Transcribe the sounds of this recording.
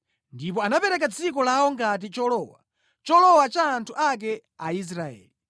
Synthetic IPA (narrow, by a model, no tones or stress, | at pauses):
ndipɔanapɛɾɛk̬ad͡zikɔlaɔŋɡat̬it͡ʃɔlɔwa̰ | t͡ʃɔlɔwat͡ʃaːntʰuʔak̬ɛ | a̰is̬ɾaɛ̰ːli